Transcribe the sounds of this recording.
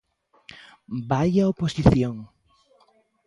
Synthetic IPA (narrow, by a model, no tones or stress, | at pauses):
bajaoposiθjoŋ